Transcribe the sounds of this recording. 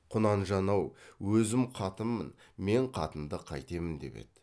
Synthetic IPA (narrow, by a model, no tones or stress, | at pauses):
qʰʊnɑnʒɑnɑwwɵzɪmqʰɑt̪əmːən | me̞ɴqʰɑ̰t̪ənd̪əqʰɑ̰jt̪e̞mɪnd̪e̞̰pe̞̰d̪̥